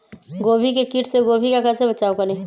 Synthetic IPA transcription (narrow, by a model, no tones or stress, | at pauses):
ɡoːbʱikekɪʈʰseɡoːbʱikakəɾsebɐt͡ʃaːokɐɾẽː